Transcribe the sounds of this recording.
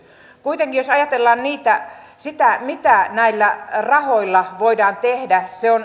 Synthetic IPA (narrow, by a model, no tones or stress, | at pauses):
kuit̪eŋkijjosɑjɑt̪elːɑːnniːt̪æ | sit̪æmit̪ænæilːærɑhoilːɑʋoidɑːnt̪ehdæseon